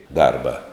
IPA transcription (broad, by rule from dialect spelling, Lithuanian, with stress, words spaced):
ˈdɐrbɐ